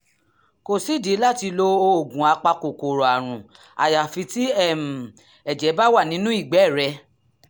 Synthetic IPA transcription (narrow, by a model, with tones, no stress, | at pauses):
ko˨si˨˦˨di˨˦la˦˨ti˧lo˧o˧o˨ɡũ˨a˧k͡pa˧ko˨ko˨ɾo˨a˨ɾ̃ũ˨ | a̰˨ja˨fi˧ti˦ɛ˦˨m̩˨ | ɛ˨d͡ʒɛ˨˦ba˦wa˦˨nĩ˨˦nũ˦i˦˨ɡ͡bɛ˨˦˨ɾɛ˧˦